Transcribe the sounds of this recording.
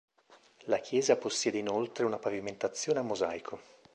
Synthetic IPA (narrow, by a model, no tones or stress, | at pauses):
lak̟ʰjɛːzaposːjɛːd̪einolt̪ɾeunapaviment̪at̪sːjoːneamːozajkʰo